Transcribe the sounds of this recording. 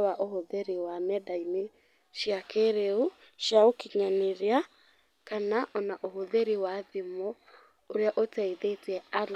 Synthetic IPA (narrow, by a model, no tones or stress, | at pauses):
waʔohoðeɾiwamɛdaine | ʃjakeɾeu | ʃjaokiɲaneɾea | kanaʔɔnaʔoɦoðeɾiwaðemo | oɾeaʔotɛiðeteɛal